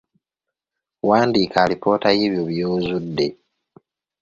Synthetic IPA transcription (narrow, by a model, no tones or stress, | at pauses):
waːndiːkʰaːlipʰo̞ːtajeːβjoβjoːzudːe̞